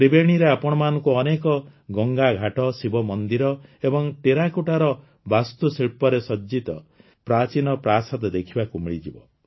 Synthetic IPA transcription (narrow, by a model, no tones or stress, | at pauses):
ɾibeɽ̃iɾeapɔɽ̃ɔmanɔŋkuɔnekɔɡɔŋɡaɡʱaʈɔsibɔmɔnd̪iɾɔebɔŋʈeɾakuʈaɾɔ | bast̪usiɭpɔɾesɔd͡ʒit̪ɔ | pɾat͡ʃinɔpɾasad̪d̪ekʰibakumiɭid͡ʒibɔ